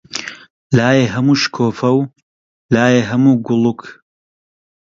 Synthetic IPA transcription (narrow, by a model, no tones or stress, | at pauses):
laːjeːɦɐmuːʃkʰoːfɐw | laːjeːɦɐmuːɡʊlˠukʰ